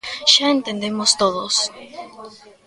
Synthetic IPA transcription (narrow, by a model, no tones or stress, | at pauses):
ʃaent̪end̪emost̪oðos